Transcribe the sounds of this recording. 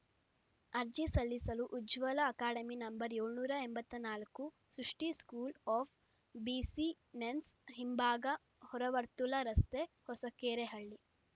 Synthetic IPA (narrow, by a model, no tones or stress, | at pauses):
ɐɾd͡ʒisɐlːisɐluʔːd͡ʒʋɐlɐːkaːɽɐminɐmbɐɾeːɭnuːɾɐembɐt̪ːɐnaːlɐkːu | sɾuʂʈiskuːlɔːf | biːsi | nensɦimbaːɡɐ | hɔɾɐʋɐɾt̪ulɐɾɐst̪e | hɔsɐkeːɾeɦɐɭːi